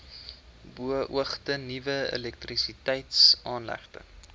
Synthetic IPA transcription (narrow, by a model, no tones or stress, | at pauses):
buəʔuəχtənivəḛlɛk̚trisitəjtsɑːnlæ̰χtə̰